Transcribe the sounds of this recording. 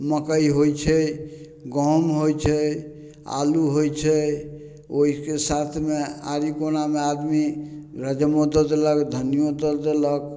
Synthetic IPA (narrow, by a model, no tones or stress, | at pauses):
məkəjɦojt͡ʃʰɛ | ɡɔmɦojt͡ʃʰɛ | a̰luɦojt͡ʃʰɛ | oɦikesat̪ʰmea̰ɾikonamead̪miɾəd͡ʒəmod̪əd̪eləkd̪ʱənijod̪əd̪elək